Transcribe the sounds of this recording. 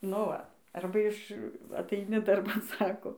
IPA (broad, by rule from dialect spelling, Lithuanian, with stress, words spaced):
noː ˈʋɐ ˈɐrbɐ ɪʃ ɐtɐɪˈnʲɪ dɐrˈbɐn ˈsɑːkoː